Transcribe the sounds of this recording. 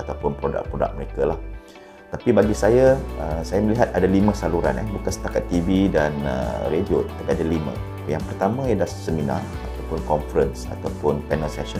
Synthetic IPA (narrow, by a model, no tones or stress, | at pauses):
at̪awpʊnpɾoda̰k̚pɾoda̰k̚məɾekalah | t̪apibaɡisajaəsajaməliɦat̪̚adalimə̃saluɾa̰nɛbukansə̥t̪akat̪ːividanə̰ɾediot̪ə̥t̪apadalimə̰̃ | jaŋpərt̪amãjadasəmina̰r | at̪awpʊnkɔnfəɾənsa̰t̪awpʊnpɛnəlsɛsən